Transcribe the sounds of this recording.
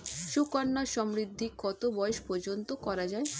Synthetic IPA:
ʃukanːaʃɔmɾid̪ʱːikːɔt̪obɔjoʃpɔɾd͡ʑont̪okɔɾad͡ʑae

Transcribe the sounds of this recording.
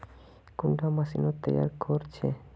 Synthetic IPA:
kuɳɖamasinot̪ːɛ̰ja̰ɾkoɾt͡ɕʰe

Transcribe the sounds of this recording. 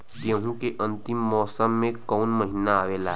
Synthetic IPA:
t̪ẽɦũkeʔə̃nt̪imːɔːsəmːẽkəunməɦinaːʋeːla

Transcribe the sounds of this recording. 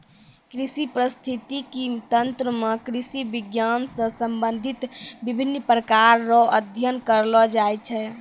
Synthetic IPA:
kɾisipɾəst̪ʰit̪ikit̪ənt̪ɾəmekɾisibiɡjansə̃səmbənd̪ʱit̪bibʱinːpɾəkaɾːɔəd̪ʱjənkəɾlɔd͡ʒajt͡ʃʰɛ

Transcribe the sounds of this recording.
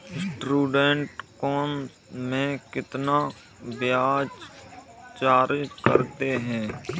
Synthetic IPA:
sʈɾuːɖeɳʈkɔːm | mẽkɪt̪na | bjaːd͡ʒ | t͡ʃaːɾkə̰ɾt̪eɦɛ̃ː

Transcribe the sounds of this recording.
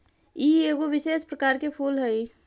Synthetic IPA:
iːeːɡoʋɪʃeːspɾəkaːɾkepʰuːlɦɛi

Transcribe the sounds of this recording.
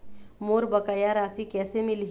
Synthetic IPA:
moːɾbəkəjaɾasikɛːsemilɦ

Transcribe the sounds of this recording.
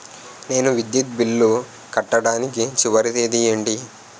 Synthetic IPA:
ne̞ːnuʋid̪jut̪̚bilːu | kɐʈːɐɽaːnikit͡ʃiʋɐɾit̪eːd̪ijɐɳɖi

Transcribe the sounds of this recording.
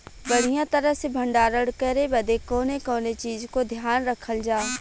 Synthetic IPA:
bəɽ̤ijãt̪əɾəsebʱə̃ɳɖaːɾəɽkəɾebɐd̪ekoːnekoːnet͡ʃiːzkod̪ʱjaːnɾəkʰəld͡ʒaː

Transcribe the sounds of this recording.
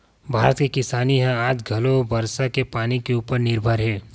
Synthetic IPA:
bʱaːɾət̪kikɪsaːniɦɛ̃aːd͡ʒɡʱɐlobɐɾsakepaːnikeuːpəɾnɪɾbʱaɾɦɛː

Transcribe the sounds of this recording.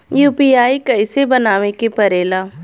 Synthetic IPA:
juːpiːaːikɐɪsebɐnaːʋekepɐɾeːlaː

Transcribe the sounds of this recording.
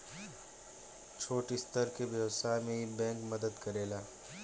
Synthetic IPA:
t͡ʃʰoːʈɪst̪əɾkeʋjɛwsaːmẽbɛ̃ːŋkmɐd̪əd̪kɐɾeːlaː

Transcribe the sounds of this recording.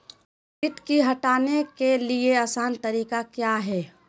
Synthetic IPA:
pɪt̪kiɦɐʈaːnekelieaːsaːnt̪ɐɾiːkakjaːɦɛː

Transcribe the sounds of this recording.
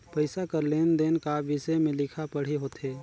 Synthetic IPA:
pəɪsakəɾleːnd̪enkaʋɪsəjmẽlɪkʰapəɽ̤eɦoːt̪ɦeː

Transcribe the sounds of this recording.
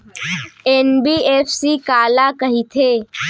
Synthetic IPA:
eːnbiːeːfsiːkaːlakəɦit̪ʰeː

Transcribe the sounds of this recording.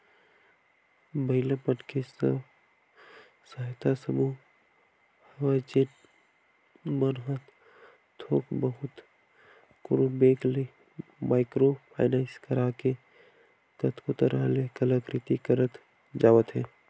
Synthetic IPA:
bəɪlepənkʰesə̰ | səɦɪt̪ʰasəmu | həwat͡ʃin | mənɦət̪ | t̪ʰoːkbəɦʊt̪ | kʊɾubeːkle | maːɪkɾopʰa̰ːɪnanskəɾake | kət̪kot̪əɾəɦlekələkɾɪt̪ikəɾət̪ | d͡ʒaːʋət̪ɦɛː

